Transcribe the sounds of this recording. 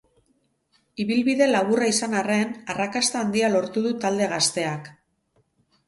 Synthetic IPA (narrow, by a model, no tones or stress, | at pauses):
iβilβiðe̞laβuraisanare̞narakast̪aːnd̪ialo̞ɾt̪uðut̪ald̪e̞ɣ̞ast̪e̞ak